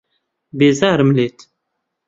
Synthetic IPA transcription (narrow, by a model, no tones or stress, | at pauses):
bezaɾˤmlet̪